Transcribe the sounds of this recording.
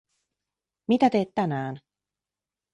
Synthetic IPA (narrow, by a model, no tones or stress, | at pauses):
mit̪æt̪e̞ːt̪t̪ːænæːn